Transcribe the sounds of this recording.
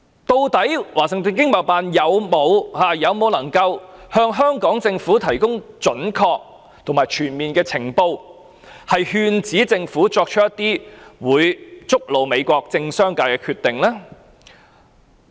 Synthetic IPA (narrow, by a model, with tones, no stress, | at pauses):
t̪o˧wt̪ɐ˨˥jwaː˨˩sɪ˨ŋt̪ɵː˨nk̬ɪ˥ŋmɐ˨˩wpaː˧njɐ˨˧wmo˨˧whaː˨jɐ˨˧wmo˨˧wlɐ˨˩ŋkɐ˧whœː˧ŋɦœː˥ŋkɔː˨˥ŋt͡sɪ˧ŋfuː˨˥t̪ʰɐ˨˩jkʊ˥ŋt͡ʃɵ˨˥nkʰɔː˧k̚ | t̪ʰʊ˨˩ŋmaː˨˩t͡ʃʰyː˨˩nmiː˨nkɛː˧t͡sʰɪ˨˩ŋpo˧w | hɐ˨jhyː˧nt͡siː˨˥t͡sɪ˧ŋfuː˨˥t͡sɔː˧k̚t͡ʃʰɵ˥jɐ˥t̪iː˥wuː˨˧jt͡sʊ˥k̚lo˨˧wme˨˧jkʷɔː˧k̚t͡sɪ˧ŋsœː˥ŋkaː˧jkɛː˧kʰyː˧t̪ːɪ˨ŋlɛː˥